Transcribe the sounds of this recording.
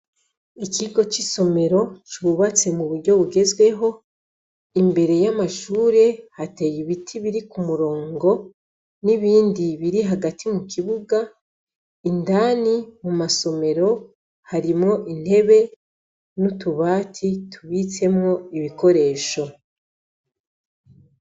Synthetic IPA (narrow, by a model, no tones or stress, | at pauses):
icʰiɡo̞t͡ʃiso̞me̞ɾo̞t͡ʃiβuβat͡se̞muβuɾɟo̞βuɡe̞zɡwe̞ɦo̞ | imbe̞ɾe̞jamaʃuːɾe̞hate̞ːjiβitʰiβiɾikumuɾo̞ːŋɡo̞ | niβiːndiβiɾiɦaɡatʰimukʰiβuɡa | indanimumaso̞me̞ɾo̞ | haɾimŋo̞ʔin̥he̞βe̞ | nutuβaːtʰitʰuβit͡se̞mŋo̞iβiko̞ɾe̞ːʃo̞